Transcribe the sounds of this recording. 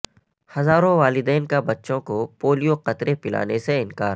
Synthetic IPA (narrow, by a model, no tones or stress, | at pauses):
hɐzaːɾõʋaːlɪd̪ɛːnkabɐtːʃõkopoːlijoqɐt̪ɾepɪla̰ːneseɪnkaːɾ